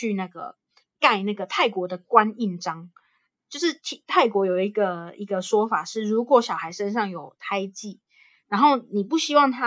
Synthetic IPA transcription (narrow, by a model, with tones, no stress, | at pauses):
y˥˧na˥˩ɡə̰˩ | ka˥˧ɪna˥˩ɡə˩t̪ʰa˥˩ɪkwɔ˧˥d̪ə˨kwa˦˥ni˥˩nʈ͡ʂɑ˥ŋ | t͡ɕjo˥˧ʊʂɻ̩˥˧t̪ʰi˨˥t̪ʰa˥˩ɪkwɔ˧˥jo˨˩ʊi˧˥ɡə˧i˧˥ɡə˧ʂwɔ˥fa˨˩ʂɻ̩˥˩ɻu˧˥kwɔ˧˥˦ɕjɑ˨˩ʊxa˧˥ɪʂə˦nʂɑ˥˩ŋjo˨˩ʊt̪ʰa˥ɪt͡ɕi˥˨˩ | ɻa˧˥nxo˥˩ʊni˨˩pu˥˩ɕi˥wɑ˥˨˩ŋt̪ʰa˦